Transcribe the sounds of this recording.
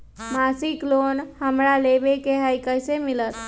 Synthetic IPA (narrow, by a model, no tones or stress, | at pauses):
masiklonhəmɾalebekeɦəjkəjsemilət̪